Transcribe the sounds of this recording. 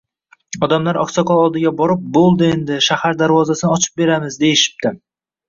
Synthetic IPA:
ɒd̪amlaɾɒ̰ksɒkʰɒlˠɒlˠd̪ɪɡʲabɒɾɪp̚bolˠd̪ɪe̞nd̪ɪʃahaɾd̪aɾvɒzasɪnɪɒt͡ʃʰɪ̥p̚be̞ɾamɪzd̪e̞jɪʃɪ̥p̚t̪ʰɪ

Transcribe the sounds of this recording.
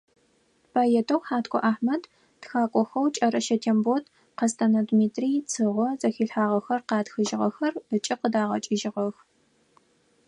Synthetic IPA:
bʰaːjɛtʰɐwħaːtkʷʰʼɔ̰ʔaːħmɐd | txaːkʷʼɔxɐwt͡ʃʼɐɾɐʃɐtʰembotʰ | qɐstʰɐnɐdmiːtʰriːt͡sʰɨʁʷɔzʼɐxiːɬħaːʁɐxɐrqɑːtxɨʒɪʁɐ̰xɐrət͡ʃʼɪqədaːʁɐ̰t͡ʃʼɪʒɪʁɐx

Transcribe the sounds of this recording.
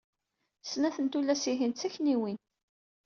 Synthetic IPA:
snæθənt̪ulæsiɦint̪t͡sːæçniwin

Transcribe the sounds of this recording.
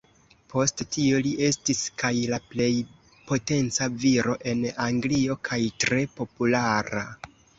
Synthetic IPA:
pʰo̞sttio̞liʔe̞stiskajlaple̞j | po̞te̞nt͡saviɾo̞ʔe̞naŋɡlio̞kʰajtɾe̞po̞pulaɾa

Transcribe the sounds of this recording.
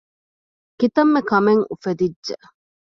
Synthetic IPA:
kit̪ɐmːekɐmeŋufed̪idʒe

